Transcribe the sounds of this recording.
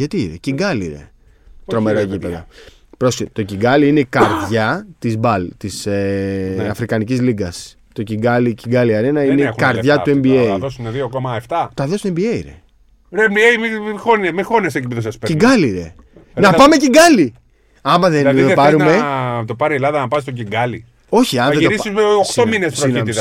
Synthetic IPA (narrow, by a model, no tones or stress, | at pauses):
ʝɐt̪iiɾeciɡɐliɾḛ | t̪ɾo̞meɾɐcipeðɐ̰ | pɾosit̪o̞ciɡɐliinekɐɾðʝɐt̪izbɐlt̪iseɐfɾikɐnicizliɡɐs | t̪o̞ciɡɐliciŋɡɐliɐɾenɐinekɐɾðʝɐt̪ue̞mbieejðosuneðiokomɐeft̪ɐt̪ɐðost̪e̞mbiejɾḛ | ɾembiejmixonɐmixonieɐsekipiðosɐspeciɡɐliɾḛ | nɐpɐme̞ciɡɐli | ɐmɐðend̪epɐɾumet̪opɐɾielɐðɐnɐpɐst̪ociŋɡɐli | o̞çiɐnɐðed̪oɾisizeoxt̪ominespɾoit̪i